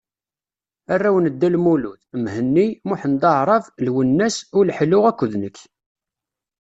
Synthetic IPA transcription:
ærːæwnəd̪ːælmuluθmhənːimʊħnd̪ˤɑʕɾˤɑvlwənːæsʊlħlʊʁækʷːəðnəkː

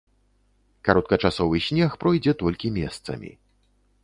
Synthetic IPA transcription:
kaɾɔt̪̚kɐt͡ʂasɔvɨsʲnʲɛxpɾɔjd͡zʲɛt̪ɔlʲkʲimʲɛst̪sɐ̰mʲḭ

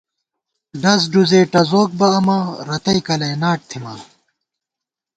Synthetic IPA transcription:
ɖɐs̬ɖuzeːʈɐzoːk̚bɐːmɐɾɐt̪ɐjkɐlɐjnaːʈ̚t̪ʰimɐ̰

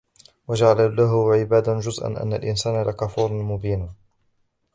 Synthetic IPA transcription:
wad͡ʒaʕalalaɦʊʕɪbaːd̪ad͡ʒʊzʔa̰nʔa̰nːa̰lʔɪnsaːnalakafuːɾˤmʊbiːn

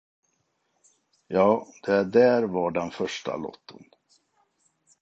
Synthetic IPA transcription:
jɑːd̪̥ɛæɖæɾvaɖɛnfœʂʈa̰lɔ̰t̪ʰːən

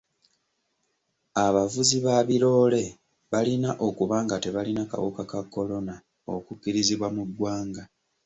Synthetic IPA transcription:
aβavuziβaβiɾo̞ːle̞ | βalinaʔo̞kuβaːŋɡate̞βalinaka̰wukakakːo̞lo̞na | o̞̰kukːiɾiziβwamuɡːwaːŋɡa

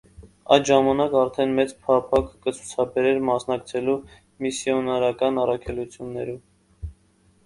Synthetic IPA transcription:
ɑ̰jd̪ʒɑmɑnɑkɑɾt̪ʰɛnmɛt͡spʰɑpʰɑkkət͡sʰu̥t͡sʰɑbɛɾɛɾmɑsnɑkt͡sʰɛlu | misjɔnɑɾɑkɑnɑrɑkʰɛlut͡sʰjunːɛɾum

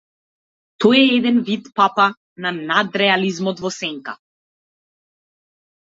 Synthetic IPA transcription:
t̪ɔjɛɛd̪ɛnvit̪papa | nanad̪ɾɛalizmɔt̪vɔsɛŋka̰

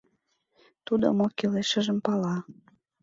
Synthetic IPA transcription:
t̪ud̪o̰mokeleʃə̆ʒə̆mpɑlɑ

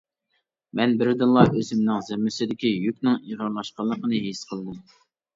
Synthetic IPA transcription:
mɛnbɪɾd̪ɨnlˠɑʔøzɪmnɪŋzɪmːɪsɪd̪ɪkʲijykʲnɪŋiʁəɾlˠɑʃqɑlˠːəqənɨɦesqʰəlˠd̪ɨm

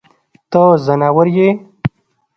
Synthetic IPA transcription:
t̪əzənawəɾje

